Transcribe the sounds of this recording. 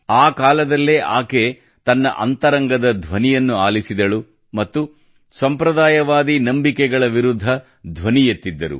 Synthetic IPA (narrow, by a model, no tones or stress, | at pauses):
aːkaːlɐd̪ɐlːeːʔaːke̞ | t̪ɐnːɐ̰ʔɐ̰nt̪ɐɾɐŋɡɐd̪ɐd̪ʱʋɐnijɐnːuaːlisid̪ɐɭu | mɐt̪ːu | sɐmpɾɐd̪aːjɐʋaːd̪inɐmbikɛɡɐɭɐʋiɾud̪ʱːɐ | d̪ʱʋɐnijet̪ːid̪ːɐɾṵ